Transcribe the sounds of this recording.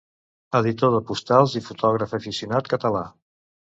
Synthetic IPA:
əðit̪oðəpust̪alˠzifut̪ʰɔɣ̞ɾəfəfisiunat̪kət̪əla

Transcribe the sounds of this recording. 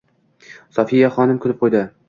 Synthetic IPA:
sɒfijaχɒnɪmkʰʊlɪp̚qʰojd̪ɪ

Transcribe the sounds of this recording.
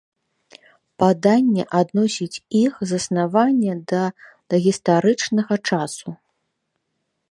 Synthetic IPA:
pad̪anʲːɛʔad̪nɔsʲit͡sʲixzɐsnavanʲːɛd̪ɐ | d̪̥ɐɣʲist̪aɾɨt͡ʂnɐɣɐt͡ʂasu

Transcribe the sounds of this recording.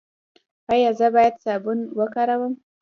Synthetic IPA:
ajɑzəbɑjad̪sɑbunwəkaɾawəm

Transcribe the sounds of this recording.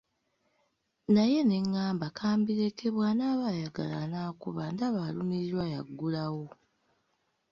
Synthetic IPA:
naje̞ne̞ŋːaːmbakʰaːmbiɾe̞ke̞βwaːnaːβajaɡa̰la̰naːkuβaːndaβalumiɾiɾwaja̰ɡːulawo̞

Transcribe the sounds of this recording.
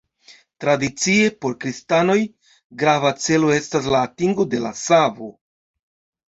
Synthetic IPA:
tɾadit͡sie̞po̞ɾkɾistano̞j | ɡɾavat͡se̞lo̞e̞stas̬laːtiŋɡo̞de̞la̰savo̞

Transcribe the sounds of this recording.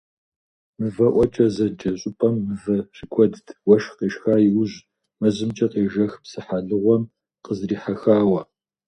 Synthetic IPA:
mɨvɐʔʷɔt͡ʃʼɐzɐd͡ʒɐɕʼʊpʼɐmːɨvɐrɪkʷʰʼɔdɨtʰwɐʃqeːʃxaːjɪwʑ | mɐzɨmt͡ʃʼɐqeːʒɐxpsɨħaɮɨʁʷɔm | qəzriːħaxaːwɐ

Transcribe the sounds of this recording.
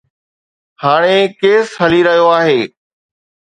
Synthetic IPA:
haːɽ̃ekeːsɦɐliɾɐɦijoaːɦeː

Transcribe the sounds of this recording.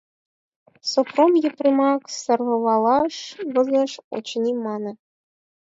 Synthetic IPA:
sopromjɘ̆prʲimɑksɤ̆rʁɤ̆βɑlˠɑʂβɤ̆zɤ̆ʂo̰t͡ɕnʲimɑnɤ̆

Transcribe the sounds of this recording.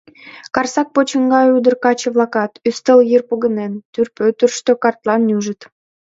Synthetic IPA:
kɑrsɑk̚pot͡ɕə̆ŋɡɑjud̪ərkɑt͡ɕəβlɑkɑt̪yst̪əljirpoɣə̆nent̪yrpøt̪ərʃt̪økɑrt̪lɑnːyʒət̪

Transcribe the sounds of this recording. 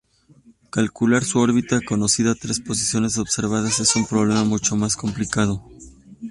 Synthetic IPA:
kalkulaɾsuo̞ɾβit̪ako̞no̞siðaːt̪ɾe̞spo̞s̬isjo̞ne̞s̬o̞βse̞ɾβ̞aðase̞sumpɾo̞β̞le̞mamut͡ʃo̞masko̞mplikað̞o̞

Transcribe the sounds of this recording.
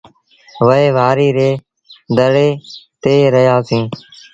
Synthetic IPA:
ʋəɦeːʋaːɾiːɾeː | d̪əɽeːt̪eːɾəɦjaːsĩː

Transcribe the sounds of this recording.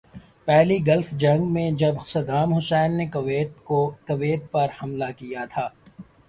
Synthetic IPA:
pɛɦliɡɐlfd͡ʒɐ̃ŋɡmẽd͡ʒɐbsɐd̪aːmɦʊsɛːnːekeːt̪okɐʋeːt̪̚pɐɾhɐmlakijat̪ʰaː

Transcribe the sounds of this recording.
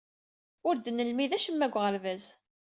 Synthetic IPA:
ʊɾd̪ənːəlmiðæʃəmːæɡʷʁəɾvæz

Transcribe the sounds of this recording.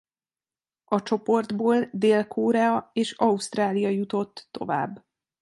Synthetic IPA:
ɒt͡ʃo̞po̞rd̪boːld̪eːlkʰoːɾɛɒeːʃɒust̪raːlijɒjut̪o̞t̪ːo̞̰va̰ːbː

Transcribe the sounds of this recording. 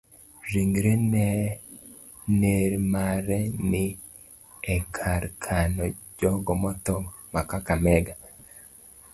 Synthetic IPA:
ɾiŋɡɾenɛ | neɾmaɾɛni | ekʰaɾkʰanɔd͡ʒɔɡɔmɔtɔmakakamɛɡa

